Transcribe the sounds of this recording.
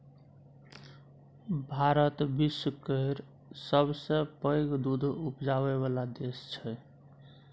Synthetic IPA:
bʱaɾət̪bisəkəiɾ | səbsə̃pəjɡd̪ud̪ʱupd͡ʒaβeβalad̪est͡ʃʰɛ

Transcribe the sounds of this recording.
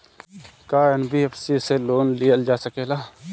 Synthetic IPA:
kaːənbʱiefsiseloːnlijəld͡ʒaːsəkeːlaː

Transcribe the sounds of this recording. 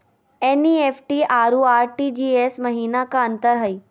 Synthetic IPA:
eniefʰʈiaɾuaːɾʈid͡ʑiesməɦiːnakaənt̪əɾɦəi

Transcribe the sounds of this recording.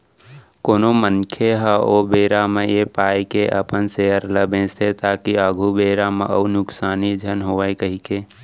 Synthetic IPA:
koːnomənkʰeɦəobeːɾamejepaːjkeʔə̰pənseəɾləbẽset̪aːkiəɡʱubeːɾamḛʔəunʊksaːnid͡ʒʱənɦoəjkəɦike

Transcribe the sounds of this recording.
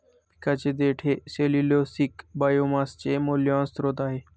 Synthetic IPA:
pɪ̥kat͡ɕed̪eːʈʰeseːliloːsikbaːjomast͡ɕemoːljɔ̃ːnst̪ɾot̪aːɦeː

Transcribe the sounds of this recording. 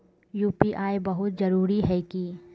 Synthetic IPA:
juːpiʔaːebɐɦʊt̪zɐɾuːɾiɦɛki

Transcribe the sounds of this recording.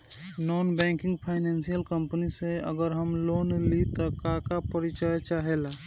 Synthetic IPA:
nɔːnbɛ̃ːŋkɪ̃ŋɡpʰaɪnɛːnsijəlkəmpniseə̰ɡəɾɦəmloːnlit̪ɔkakapəɾit͡ʃəjt͡ʃaɦela

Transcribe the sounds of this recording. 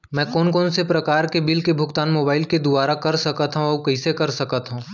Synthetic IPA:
mɛ̃ːkɔːnkɔːnsepɾɐkaːɾkebɪlkebʱʊkt̪aːnmoːbaːɪlked̪ʊbaːɾakɐɾsɐkət̪ɦũɔːkɐɦĩsekɐɾsɐkət̪ɦũː

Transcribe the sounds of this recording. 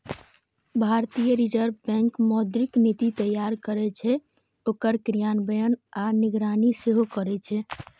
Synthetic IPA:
bʱaɾt̪ijəɾid͡ʒəɾbɛ̃ŋkmɔd̪ɾiknit̪it̪əjaɾkəɾɛt͡ʃʰɛ | okəɾkɾijanbəjənaniɡɾaniseɦokəɾɛt͡ʃʰɛ

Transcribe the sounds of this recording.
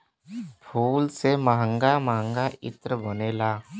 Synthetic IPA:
pʰuːlseməɦə̃ŋɡamaːə̃ŋɡaɪ̰t̪ɾəbəneːlaː

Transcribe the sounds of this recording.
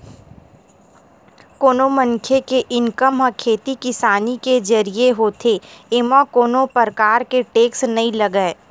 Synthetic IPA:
koːnomə̃ŋkʰjekeʔɪŋkəmɦəkʰːeːt̪ikɪsaːniked͡ʒɐɾieɦoːt̪ʰeemãkoːnopəɾkaːɾkeʈeːksnɐɦĩlɐɡəe

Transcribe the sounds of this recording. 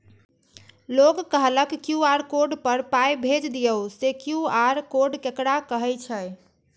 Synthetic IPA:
loɡkəɦləkkjuaɾkoɾɖpəɾpajbʱed͡ʒd̪ijəwsekjuaɾkoɾɖkekɽakəɦɛjt͡ʃʰəj

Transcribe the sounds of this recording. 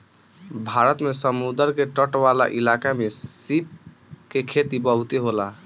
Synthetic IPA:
bʱaɾət̪mesəmud̪əɾkeʈəʈʋala̰ʔilakamesip̚ | kekʰet̪ibəɦut̪eɦola

